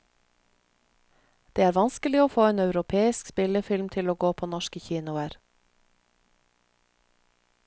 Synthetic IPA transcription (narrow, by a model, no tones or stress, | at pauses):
d̪̥eːæːɾʋɑnskəlɪoːfoːeːnɑʉɾʊpʰeːɪskspɪləfɪlmt̪ʰɪloːɡoːpʰoːnɔʃkəçiːnʊæɾ